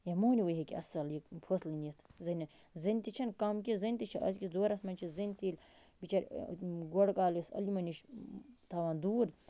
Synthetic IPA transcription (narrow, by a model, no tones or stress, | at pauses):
jemoːnʲiwoɦekiɐ̰sɐljikpʰoslinit̪ʰzɐnʲɐ | zɐnʲt̪it͡ʃʰɐnkɐmkizɐnʲt̪it͡ʃʰiʔɐ̰zʲkʲisd̪oːɾɐsmɐnʲt͡ʃʰizɐnʲt̪iːlʲ | bit͡ʃɐɾɡoɽkaːlisɐ̰limɐniʃt̪ʰɐʋaːnd̪uːɾ